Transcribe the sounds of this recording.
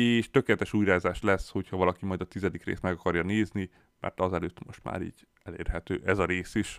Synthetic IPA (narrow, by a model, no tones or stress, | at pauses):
eːʃt̪økeːlɛt̪ɛʃuːjɾaːzaːʃlɛsho̞chɒvɒlɒkimɒjd̪ɒt̪izɛd̪ikrḛːst̪mɛɡɒkɒrjɒneːzni | mʔɛ̰rt̪ɒzɛløːt̪mo̞̰ʃt̪ma̰ːɾḭːɟ | ɛlḛːrɦɛt̪øːʔɛzɒɾeːsiʃ